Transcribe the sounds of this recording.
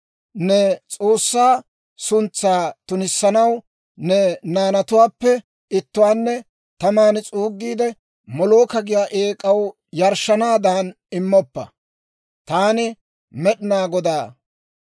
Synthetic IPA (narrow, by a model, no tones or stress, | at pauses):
nɛt͡sʼo̞ːsːaː | sʊnt͡sːaːt̪ʊnɪsːɐnɐw | nɛnaːnɐt̪ʊwaːpːɛ | ɪt̪ːʊwaːnːɛ | t̪ɐmaːnt͡sʼuːɡːiːd̪ɛ | mɔloːkɐɡɪjaːʔeːkʼɐw | jɐɾʃːɐnaːd̪aːn | ɪmːɔpːɐ̰ | t̪aːnɪ | mɛɗɪnaːɡɔd̪aː